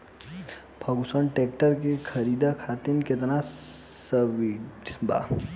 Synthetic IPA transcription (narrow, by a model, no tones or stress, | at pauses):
pʰəɡusɔɳʈek̚ʈəɾkekʰəɾid̪akʰat̪inket̪ənasəʋiba̰